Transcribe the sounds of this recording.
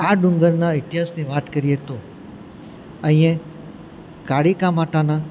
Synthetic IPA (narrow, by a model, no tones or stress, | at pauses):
aɖʊ̃ŋɡəɾnaɪt̪ɪɦaːsniʋaːt̪kəɾijet̪o | ə̃ɦĩjẽ | kaɽikãmaʈãnã